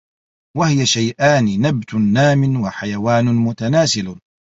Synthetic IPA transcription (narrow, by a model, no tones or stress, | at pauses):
wahɪjaʃajʔaːnɪnabt̪ʊnːaːmɪnwaħajawaːnʊmʊt̪anaːsɪl